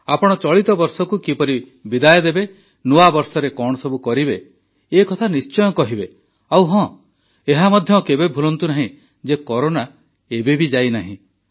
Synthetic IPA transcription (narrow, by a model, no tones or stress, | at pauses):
apɔɽ̃ɔt͡ʃɔɭit̪ɔbɔɾsɔkukipɔɾi | bid̪ajɔd̪ebe | nuabɔɾsɔɾekɔɽ̃ɔsɔbukɔɾibe | ekɔt̪ʰanist͡ʃɔjɔkɔɦibe | awɦɔ̃ | eɦamɔd̪ʱjɔkebebʱulɔnt̪unaɦĩ | d͡ʒekɔɾona | ebebid͡ʒajnaɦḭ̃